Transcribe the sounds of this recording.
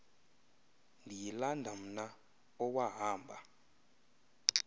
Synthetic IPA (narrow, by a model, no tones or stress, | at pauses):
ndʱijilandʱam̩na | ɔwaɦaːmbʱa